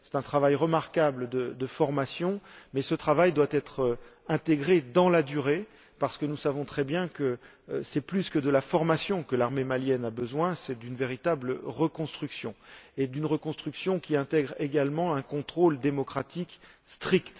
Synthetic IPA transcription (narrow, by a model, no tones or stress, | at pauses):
sɛ̥t̪ɛ̃t̪χavajʁəmaʁkabləd̪əd̪əfɔʁmasjɔ̃mɛsət̪χavajd̪wat̪ɛt̪χɛ̃t̪eɡʁed̪ɑ̃lad̪yʁe | paʁsə̥kənusavɔ̃t̪χɛbjɛ̃kə | sɛplyskəd̪əlafɔʁmasjɔ̃kəlaʁmemaljɛnabəzwɛ̃sɛd̪ynveʁit̪abləʁəkɔ̃st̪χyksjɔ̰̃ed̪ynʁəkɔ̃st̪χyksjɔ̃kʲiɛ̃t̪ɛɡʁeɡalmɑ̃ɛ̃kɔ̃t̪χold̪emɔkχat̪ik | st̪χikt̪